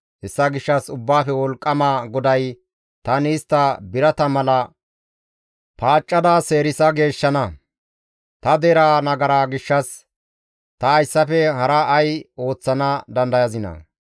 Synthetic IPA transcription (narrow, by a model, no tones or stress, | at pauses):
ʔɛsːɐɡɪʃːɐsʊbːaːfɛwɔlkʼːɐmaːɡɔd̪ɐj | t̪ɐnɪːst̪ːɐbɪɾɐt̪ɐmɐlɐ | paːt͡ʃʼːɐd̪aːse̞ːɾɪsɐɡe̞ːʃːɐnɐ | t̪ɐd̪eːɾaːnɐɡɐɾaːɡɪʃːɐs | t̪ɐːjsːɐfɛɦɐɾɐʔɐjo̞ːt͡sːɐnɐd̪ɐnd̪ɐjɐzɪnɐ̰